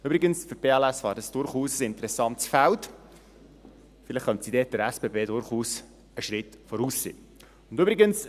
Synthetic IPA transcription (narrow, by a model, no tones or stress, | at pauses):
ybɾɪɡənsfʏɾb̥eːɛlɛsʋɑ̰ːɾdɑsd̥ʊɾχuːsəsɪntəɾɛsɑntsfælt | fɪlɪχχœntsidɛːt̚d̥əɾɛspeːbeːdʊɾχuːs | əʃɾɪtfɔɾuːsːḛː | ʊndybɾiɡəns